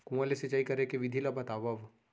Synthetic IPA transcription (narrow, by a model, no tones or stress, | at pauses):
kũɐleset͡ʃaːikɐɾekeʋid̪ʱilabɐt̪aːʋaʋ